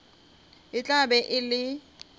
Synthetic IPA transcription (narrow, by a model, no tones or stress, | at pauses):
ɪt͡ɬʼabɛʔɪlɪ